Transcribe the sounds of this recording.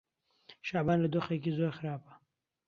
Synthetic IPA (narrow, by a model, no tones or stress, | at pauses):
ʃɑːbɑːnləd̪oxek̬izoɾxaɾɑːpḁ